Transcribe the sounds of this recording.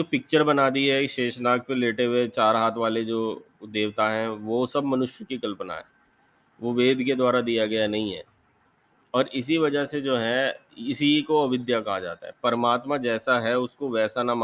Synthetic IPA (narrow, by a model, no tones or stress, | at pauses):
oːpɪk̚t͡ʃəɾbɐnaːd̪iɦɛiʃeːʃnaːk̚peleːʈeɦet͡ʃaːɾɦaːt̪ʰʋaːled͡ʒoː | d̪eːʋt̪aɦɛ̃ʋosɐbmɐnʊʃjəkikɐlpna̰ɦɛ̰ː | ʋoʋeːd̪ʱked̪waːɾad̪ijaɡɐjanɐɦĩɦɛ̰ː | ɔːɾɪs̬iʋɐd͡ʒəɦsed͡ʒoːɦɛɪsikoɐʋɪd̪jakɐɦad͡ʒa̰ːt̪a̰ɦɛpɐɾmaːt̪mãd͡ʒɛːsaɦɛʊskoʋɛːsanam